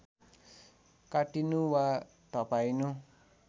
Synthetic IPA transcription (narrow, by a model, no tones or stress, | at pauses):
kaɖinuwa | t̪apainu